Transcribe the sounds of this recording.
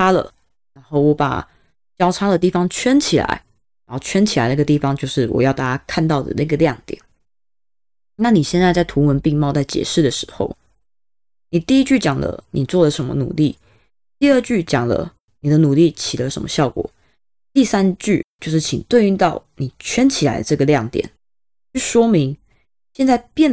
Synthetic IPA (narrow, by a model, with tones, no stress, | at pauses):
a˦˥lə̰˨ | ɻa˧˥nxo˥˩ʊwɔ˧˩pa̰˨˩ | t͡ɕjɑ˥ʊʈ͡ʂʰa˥d̪ə˨t̪i˥˩fɑ˩ŋt͡ɕʰɥɛ˥nt͡ɕʰi˨˩la̰˧˥ɪ | ɻa˨˦xo˥˩t͡ɕʰɥɛ˥nt͡ɕʰi˨˩la˧˦ɪna˥˩ɡə˨˧t̪i˥˩fɑ˨˦ŋt͡ɕjo˥˧ʊʂɻ̩˥˩wɔ̰˨˩jɑ˥˧ʊt̪a˥˩t͡ɕja˥kʰa˥˧nt̪ɑ˥˩ʊd̪ə̰˩na˥˩ɡə˩ljɑ˥˩ŋt̪jɛ̰˨˩˦n | na˥˩ni˨˩ɕjɛ˥˧nt͡sa˥˧ɪt͡sa˥˩ɪt̪ʰu˧˥wə˧˦npi˥˧ŋmɑ˥˧ʊt͡sa˥˩ɪt͡ɕjɛ̰˨˩ʂɻ̩˥˩d̪ə˩ʂɻ̩˧˥xo̰˥˩ʊ | ni˨˩t̪i˥˩i˦˥t͡ɕy˥˩t͡ɕjɑ˨˩ŋlə̰˦ni˨˩t͡swɔ˥˩lə˩ʂə˧˦nmə̰˧nṵ˨˩li˥˩ | t̪i˥˧ə˞˥˧t͡ɕy˥˩t͡ɕjɑ˨˩ŋlə̰˦ | ni˨˩d̪ə˦nu˨˩li˥˩t͡ɕʰi˨˩lə˦ʂə̰˧˥nmə˧ɕjɑ˥˩ʊkwɔ̰˨˩˦ | t̪i˥˩sa˦nt͡ɕy˥˩t͡ɕjo˥˧ʊʂɻ̩˥˩t͡ɕʰi˨˩ŋt̪we˥˧ɪy˥˧t̪ɑ˥˩ʊni˨˩t͡ɕʰɥɛ˥nt͡ɕʰi˨˩la̰˧˦ɪd̪ə̰˧ʈ͡ʂɤ˥˩ɡə˩ljɑ˥˩ŋt̪jɛ̰˨˩˦n | t͡ɕy˥˩ʂwɔ˥mi˧˥ŋ | ɕjɛ˥˧nt͡sa˥˧ɪpjɛ˥˩n